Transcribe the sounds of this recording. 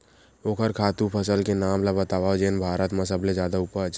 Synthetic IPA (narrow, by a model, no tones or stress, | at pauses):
oːkʰəɾkʰaːt̪ũpʰəsəlkenaːmlabət̪aːʋaːod͡ʒeːnbʱaːɾət̪məs̬əbled͡ʒjaːd̪aʊpət͡ʃ